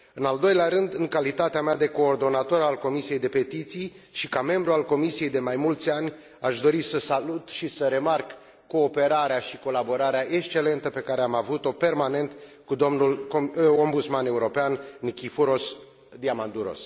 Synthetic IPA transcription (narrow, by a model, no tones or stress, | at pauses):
ɨnald̪o̞jleaɾɨnd̪ɨŋkalit̪at̪eamead̪e̞ko̞ːrd̪o̞nat̪o̞ɾalko̞misije̞jd̪e̞pe̞t̪it̪sijʃikame̞mbɾualko̞misije̞jd̪e̞majmult̪sʲanʲ | aʃd̪o̞ɾisəsalut̪ʃisəɾe̞markː | o̞ːpe̞ɾaɾeaʃiko̞labo̞ɾaɾeaʔe̞kst͡ʃe̞le̞nt̪əpe̞kaɾeamavut̪o̞pe̞rmane̞nt̪ | kud̪omnulo̞mbut̪smane̞uɾo̞peannikʲifuɾo̞s | d̪iamand̪uɾo̞̰s